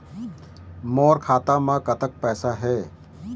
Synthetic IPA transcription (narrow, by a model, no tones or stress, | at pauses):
moːɾkʰaːt̪ãːmãkɐt̪ək̚pɛːsaɦɛː